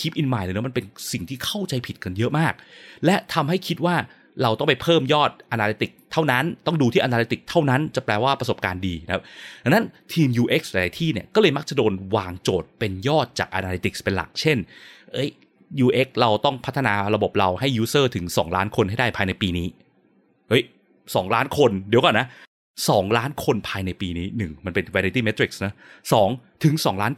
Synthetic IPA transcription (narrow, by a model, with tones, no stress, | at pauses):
kʰi˦˥p̚ʔi˧nmaː˨˩jlaː˧˩nɯ˦˥ma˧pe˧nsi˨˩ŋt̪ʰiː˥˩kʰa˥˩wt͡ɕa˧jpʰi˨˩t̪̚ka˧njɤ˦˥ʔmaː˥˩k̚lɛ˦˥t̪ʰa˧mha˥˩jkʰi˦˥t̪̚waː˥˩ | ɾa˧wt̪ɔ˥˩ŋp̬a˧jpʰɤː˥˩mjɔː˥˩t̪̚ʔa˧naː˧le˦˥t̪i˨˩k̚t̪ʰːa˥˩wna˦˥nt̪ɔ˥˩ŋduː˧t̪ʰiː˥˩ʔnaː˧le˦˥t̪i˨˩k̚t̪ʰa˥˩wna˦˥nt͡ɕa˨˩pɾɛː˧waː˥˩pɾa˧so˨˩p̚kaː˧ndiː˧a˦kʰa˦˥p̪̚ʰa˧nːa˦˥nt̪ʰiː˧mjuː˧ʔe˦˥k̚sla˧˩ɾaː˧˩jt̪ʰiː˥˩ni˥˩ɐkɔː˥˩lɤː˧jma˦˥k̚t͡ɕa˨˩doː˧nwaː˧ŋt͡ɕoː˨˩t̪̚pe˧njɔː˥˩t̪̚t͡ɕa̰ː˨˩k̚ʔa̰ː˧naː˧li˦˥t̪i˨˩k̚spe˧nla̰˨˩k̚t͡ɕʰe˥˩nʔɤ˦˥j | juː˧ʔe˦˥k̚ɾa˧wt̪ɔ˥˩ŋpʰt̪ʰːa˧naː˧ɾa˧bo˨˩p̚ɾa˧wha˥˩jːuː˦˥sɤː˥˩t̪ʰɯ˩˦ŋsɔː˩˦ŋlaː˦˥nkʰo˧nha˥˩jdaː˥˩jpʰaː˧jna˧jpiː˧niː˦˥ | ʔɤ˦˥j | sɔː˩˦ŋlaː˦˥nkʰo˧ndi˨˦kɔ˨˩na˦˥ | sɔː˩˦ŋlaː˦˥nkʰo˧npʰaː˧jna˧jpiː˧niː˦˥nɯ˨˩ŋma˧npe˧nwɛː˧ɾi˦˥t̪iː˥˩me˦˥t̪ɾi˨˩k̚sna˦˥sɔː˩˦ŋt̪ʰɯ˨˩˦ŋsɔː˩˦ŋlaː˦˥n